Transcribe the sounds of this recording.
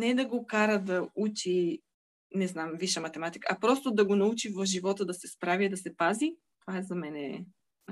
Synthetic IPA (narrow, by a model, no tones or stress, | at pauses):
nɛd̪ɐɡokaɾəd̪ɐut͡ʃi | nɛznamviʃəmɐt̪ɛmat̪i̥kːpɾɔst̪od̪ɐɡonɐut͡ʃivɐfʒivɔt̪əd̪ɐsɛspɾavid̪ɐsɛpazi | t̪ovaɛzɐmɛnɛ̰